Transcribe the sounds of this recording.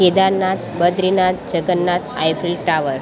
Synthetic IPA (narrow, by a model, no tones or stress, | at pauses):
ed̪aɾnat̪̚bəd̪ɾinat̪̚d͡ʑəɡənːat̪ʰajfilʈaʋəɾ